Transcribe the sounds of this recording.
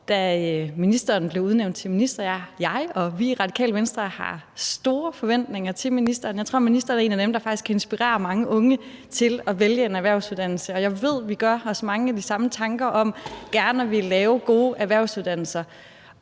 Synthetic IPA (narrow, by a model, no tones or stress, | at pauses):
d̥æminisd̥ɐːnb̥le̝ʊuðˠneʊ̰nd̥̚t͡sʰe̝lminisd̥ʁɐjɑjɑ̈ɪɒ̽ʋiʁɑ̈d̥i̥kʰɛ̰ːlʋensd̥ʁɐhɑ̰̈sd̥o̝ːɐfɒ̽ʋen̰d̥ne̝ŋɐt͡sʰe̝lminisd̥ɐːnjɑ̈ɪt͡sʰʁo̝̰ɐminisd̥ʁɐːnɐe̝ːnæd̥emd̥ɑ̈fɑ̈ɡ̥iskʰæe̝nsb̥iʁḛːɐmɑ̈ŋəʔɔ̽ŋə | t͡sʰe̝lɒ̽ʋeljəe̝næʋæɐʊsuðˠd̥ænl̩səɒ̽jɑ̈ɪʋe̝ð̞̰ˠʋiɡ̥ɶɐɒ̽smɑ̈ŋəæd̥isɑ̈mət͡sʰɑ̈ŋɡ̥ɐʔɒ̽m̰ɡ̥æɐnɒʋilɛːʊɡ̥o̝ːʔæɐʋæɐʊsuðˠd̥æn̰l̩sɐ